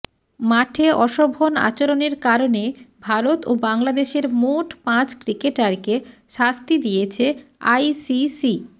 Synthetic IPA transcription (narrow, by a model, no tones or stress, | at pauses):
maʈʰeɔʃobʱona̰t͡ɕoɾoneɾkaɾonebʱaɾot̪obaŋlad̪eʃeɾmoʈpãt͡ɕkɾikeʈaɾkeʃast̪id̪ijet͡ɕʰea̰jsisi